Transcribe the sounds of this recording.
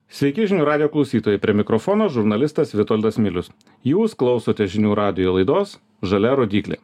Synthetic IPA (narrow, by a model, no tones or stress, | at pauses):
sʲʋʲɛɪkʲɪʒʲɪnʲuːɾɑːd̪ʲɪjoːklˠɒʊsʲiːt̪oːjɛpʲɾʲiɛmʲɪkɾofɔːnoːʒʊɾnɐlʲɪst̪ɐsʋʲɪt̪ɔlʲd̪ɐsmʲɪlʲʊs | juːsklˠɒʊsoːt̪ʲɛʒʲɪnʲuːɾɑːd̪ʲɪjoːlˠɐɪd̪oːs | ʒɐlʲɛɾoːd̪ʲiːklʲḛː